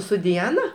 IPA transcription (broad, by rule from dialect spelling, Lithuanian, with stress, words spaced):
sʊ dʲɪˈɑːnɐ